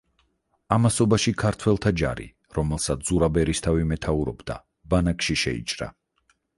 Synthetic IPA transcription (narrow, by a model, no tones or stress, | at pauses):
amasɔbaʃikʰaɾt̪ʰwɛlˠt̪ʰad͡ʒa̰ɾḭ | ɾɔmɛlˠsat̪sz̥uɾabɛɾist̪ʰavimɛt̪ʰauɾɔbd̪̥a̰ | banakʼʃiʃɛ̰ḭt͡ʃʼɾa̰